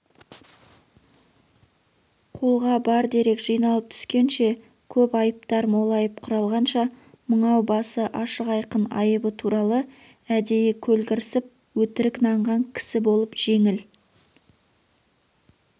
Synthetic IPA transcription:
qʰo̞lˠʁɑbɑɾd̪e̞ɾe̞kʒ̥ijnɑlˠəp̚t̪ʰʏ̥skʲe̞nʃe̞ | kʲʰɵpɑjəp̚t̪ɑɾmo̞lˠɑjəp̚qʰʊɾɑlˠʁɑnʃɑ | məɴɑwbɑsəʔɑʃəqɑjqənɑ̰jəbət̪ʰuɾɑlˠə | æd̪e̞jɪkʲʰɵlɡʲɪɾsɪp̚ | wɵt̪ɪɾɪknɑɴʁɑŋkʲʰɪ̥sɪbo̞lˠəpʒ̥e̞ŋɪl

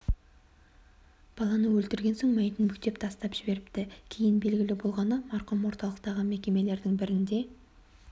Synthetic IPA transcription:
b̥ɑlˠɑnəwɵlt̪ɪɾɡʲe̞nsoɴmæjt̪ɪnmʏkt̪e̞pt̪ʰɑst̪ɑpʒ̥ɪbe̞ɾɪpt̪ɪkʲʰejɪnbe̞lɡʲɪlɪbo̞lˠʁɑnəmɑɾqʊmwo̞ɾt̪ɑlˠəqt̪ɑʁəme̞kʲe̞me̞le̞ɾd̪ɪŋbɪɾɪnd̪e̞

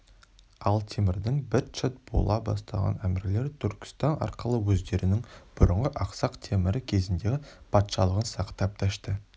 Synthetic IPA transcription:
ɑlˠt̪ʰemɪɾd̪ɪŋbɪɾt͡ʃɪt̪̚b̥o̞̰lˠɑbɑ̰st̪ɑʁɑ̰næmɪɾle̞ɾt̪ʰʏɾkʲɪ̥st̪ɑnɑ̰ɾqəlˠəwɵzd̪e̞ɾɪnɪŋb̥ʊɾəɴʁəʔɑqsɑqt̪ʰemɪɾɪkʲʰe̞zɪnd̪e̞ɡʲɪpʰɑt̪ʃɑlˠəʁənsɑqt̪ɑp̚t̪ʰæʃt̪ə

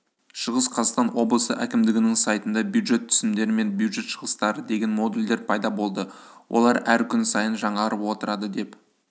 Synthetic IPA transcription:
ʃəʁəsqʰɑzɑst̪ɑnwo̞blˠəsə̰ʔæ̰kʲɪmd̪ɪɡʲɪnɪŋsɑjt̪ənd̪ɑbjud̪ʒe̞t̪ʰːʏ̥sɪmd̪e̞ɾɪme̞nbjud̪ʒe̞t̪ʃəʁəst̪ɑɾəd̪e̞ɡʲe̞nmo̞d̪uld̪eɾpʰɑjd̪ɑbo̞lˠd̪əwʔo̰lˠɑɾæɾkʲʰʏnsɑjənʒɑɴɑɾəpwo̞t̪əɾɑd̪əd̪e̞p

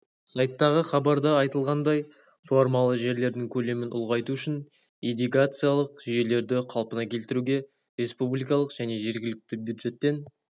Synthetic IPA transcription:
sɑjt̪ːɑʁəχɑbɑɾd̪ɑɑjt̪əlˠʁɑnd̪ɑj | fo̞ɾmɑlˠəʒe̞ɾle̞ɾd̪ɪŋkʲʰɵle̞mɪnʔʊ̰lˠʁɑjt̪uʏʃɪn | ijd̪ijɡat̪sɨjalˠəqʒʏje̞le̞ɾd̪ɪqʰɑlˠpənɑkʲʰe̞lt̪ɪɾuɡʲe̞ | ɾe̞spublijkɑlˠəqʒ̥æne̞ʒe̞ɾɡʲɪlɪk̚t̪ɪbʲjud̪ʒe̞t̪ːe̞n

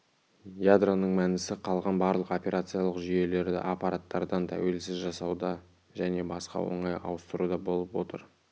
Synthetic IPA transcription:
jad̪ronəɴmænɪsɪqʰɑlˠʁɑnbɑɾlˠəqo̞pʲe̞ɾat̪sɨjɑlˠəqʒʏje̞le̞ɾd̪ɪ̰ʔapɑɾat̪ːɑɾd̪ɑnt̪ʰæ̰we̞lsɪzʒɑsɑwd̪ɑ | ʒæne̞bɑsqɑ̰wo̞̰ɴɑjɑ̰wəst̪əɾud̪ɑbo̞lˠəpwo̞t̪ə̰ɾ

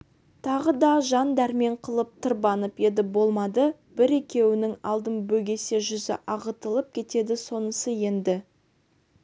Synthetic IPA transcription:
t̪ʰɑʁəd̪ɑʒɑnd̪æɾme̞ɴqʰəlˠəp̚t̪ʰəɾbɑnəpje̞d̪ɪbo̞lˠmɑd̪ə | b̥ɪɾe̞kʲe̞wɪnɪŋɑlˠd̪əmbɵɡʲe̞se̞ʒʏzɪ̰ʔɑʁət̪əlˠəp̚kʲʰe̞t̪e̞d̪ɪso̞nəsəje̞nd̪ɪ

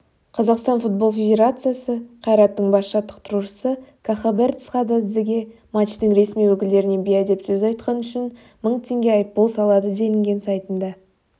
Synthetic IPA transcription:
qʰɑzɑqst̪ɑnfut̪̚bo̞lˠfʲe̞d̪ʲe̞ɾat̪sɨjasəqʰɑjɾɑt̪ːəɴbɑsʃɑt̪ːə̥q̚t̪ʰʊɾuʃəsəkʰaχabeɾt̪sχɑd̪ɑzeɡʲe̞ | mat͡ʃt̪əŋɾe̞smijwɵkʲɪld̪e̞ɾɪne̞bijɑd̪e̞psɵzɑjt̪qɑnʏʃɪn | məɴt̪ʰe̞ŋɡʲe̞ɑjəpːo̞lˠsɑlˠɑd̪əd̪e̞lɪŋɡʲe̞nsɑjt̪ənd̪ɑ

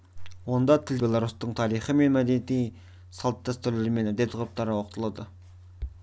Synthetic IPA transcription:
wo̞nd̪ɑt̪ʰɪlbʲe̞lˠaɾust̪əɴt̪ʰɑɾijχəme̞nmæd̪eet̪ij | sɑlˠt̪ːɑst̪ʏɾleɾɪme̞næd̪et̪ʰqʰɾəp̚t̪ɑɾəwoqt̪əlˠɑd̪ə

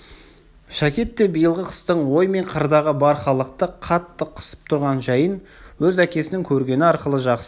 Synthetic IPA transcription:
ʃækʲe̞t̪ːe̞bijəlˠʁəqʰə̥st̪əɴwo̞jme̞ɴqʰəɾd̪ɑʁəbɑɾχɑlˠəq̚t̪əqʰɑt̪ːəqʰə̥sə̥p̚t̪ʰʊɾʁɑnʒɑjənwɵzækʲe̞sɪnɪŋkʲʰɵɾɡʲe̞nɪɑɾqəlˠəʒɑqsə

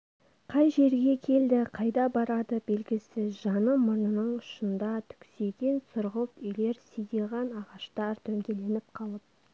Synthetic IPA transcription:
qʰɑjʒe̞ɾɡʲe̞kʲʰe̞ld̪ɪqʰɑjd̪ɑbɑɾɑd̪əbe̞lɡʲɪsɪzʒɑnəmʊɾnənəɴʊʃənd̪ɑt̪ʰʏ̥kse̞ɡ̪ʲe̞nsʊɾʁəpʏjle̞ɾsijd̪eʁɑnɑʁɑʃt̪ɑɾt̪ʰɵŋɡʲe̞le̞nɪp̚qʰɑlˠəp̚

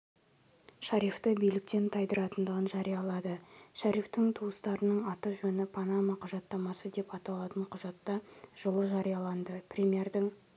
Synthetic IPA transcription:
ʃɑɾift̪əbijlɪk̚t̪e̞nt̪ʰɑjd̪əɾɑt̪ənd̪əʁənʒɑɾijɑlˠɑd̪əʃæɾift̪ɪŋt̪ʰuwəst̪ɑɾənəɴɑt̪əʒɵnɪpʰanamɑqʰɑʒɑt̪ːɑmɑsəd̪e̞pɑt̪ɑlˠɑt̪əɴqʰʊʒɑt̪ːɑʒ̥əlˠəʒɑɾijɑlˠɑnd̪əprʲemʲije̞rd̪ɪŋ

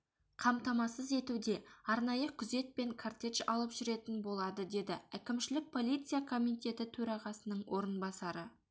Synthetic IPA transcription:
qʰɑmt̪ɑmɑsəze̞t̪ud̪e̞ɑɾnɑjəkʲʰʏze̞t̪̚pe̞ŋkʰart̪ʲe̞ʃɑlˠəpʒ̥ʏɾe̞t̪ɪnbo̞lˠɑd̪əd̪e̞d̪ɪækʲɪmʃɪlɪk̚pʰo̞lˠijt̪sɨjakʰo̞mit̪ʲe̞t̪ɪt̪ʰɵɾɑʁɑsənəɴwʔo̞ɾənbɑsɑɾə

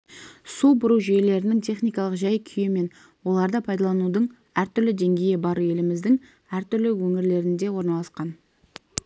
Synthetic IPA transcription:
subʊɾuʒʏje̞le̞ɾɪnɪŋt̪ʰe̞χnijkɑlˠəqʒɑjkʲʰʏjɪme̞n | wo̞lˠɑɾd̪əpʰɑjd̪ɑlˠɑnud̪əɴ | æɾt̪ʰʏɾlɪd̪e̞ŋɡʲe̞jɪbɑɾue̞lɪmɪzd̪ɪŋ | æɾt̪ʏɾlɪwɵŋɪɾle̞ɾɪnd̪e̞wo̞ɾnɑlˠɑsqɑn

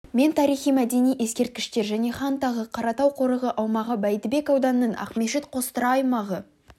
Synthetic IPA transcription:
me̞nt̪ʰɑɾijχijmæd̪e̞nijʔe̞skʲe̞ɾt̪̚kʲɪʃt̪e̞ɾʒæne̞χɑnt̪ɑʁəqʰɑɾɑt̪ɑwqʰo̞ɾəʁəʔɑwmɑʁəbæjt̪ɪbe̞kɑwd̪ɑnəːəɴʔɑ̰qme̞ʃɪt̪qʰo̞st̪əɾɑːjmɑʁə

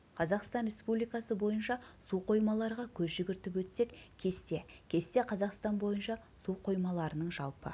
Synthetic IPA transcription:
qʰɑzɑqst̪ɑnɾʲe̞spublijkɑsəbo̞jənʃɑsuqʰo̞jmɑlˠɑɾʁɑkʲʰɵzʒʏɡʲɪɾt̪ɪpwɵt̪se̞kkʲʰe̞st̪e̞kʲʰe̞st̪e̞qʰɑzɑqst̪ɑnbo̞jənʃɑ | suqʰo̞jmɑlˠɑɾənəɴʒɑlˠpə̰

